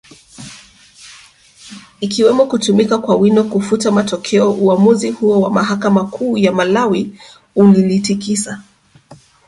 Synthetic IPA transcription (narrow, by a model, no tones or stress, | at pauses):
ikiwɛmɔkutumikakwawinɔkufutamatɔkʰɛɔʔuamuzihuɔwamaɦakamakʰuːjamalawi | ulilitikisa